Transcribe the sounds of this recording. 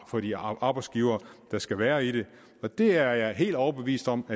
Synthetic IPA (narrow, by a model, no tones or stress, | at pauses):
fɒ̽d̥iʔɑ̈ːb̥ɑ̈ɪsɡ̥iʊɐːd̥ɑ̈sɡ̥æʋæːɐiɾ̥e̝ | ɒ̽d̥e̝æɐjɑ̈ɦe̝̰ːld̥ɒʊɐb̥e̝ʋḭːsd̥ɒ̽m̰æ